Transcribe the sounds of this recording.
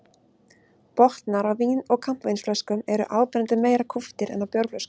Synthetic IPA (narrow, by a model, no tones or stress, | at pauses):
pɔht̪naɾawviːnɔɣkʰam̥pvejnsflœskʏmɛɾʏ̰ʔaːwpɪɾant̪ʏmeːjɾakʰuft̪ɪɾɛ̰nawpjɔwɾflœskʏ̥